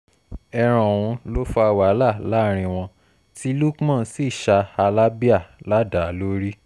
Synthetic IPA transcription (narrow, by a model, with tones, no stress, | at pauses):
ɛ˧ɾ̃ɔ̃˨w̃ũ˧lo˦fa˧wa˨˦la˦˨la˦˨ɾ̃ĩ˧w̃ɔ̃˧ | ti˦lu˦kmã˦˨˦si˦˨ʃa˧a˧la˦bi˦a˦˨la˦da˨lo˦ɾi˦